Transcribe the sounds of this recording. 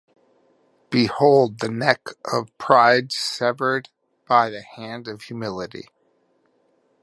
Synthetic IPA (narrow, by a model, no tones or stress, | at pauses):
b̥ɨhoʊlˠd̪̚ðɨnɛkʰʔʌv̥pʰɹ̥aɪdsɛvə˞d̚ | b̥aɪðɨhæ̃ndʌv̥jʉmɪlˠɨɾḭ